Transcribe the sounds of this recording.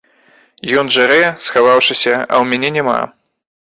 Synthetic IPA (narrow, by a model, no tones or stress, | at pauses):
jɔnʐaɾɛsxavawʂɨsʲɐɐ̰wmʲanʲɛnʲɛma̰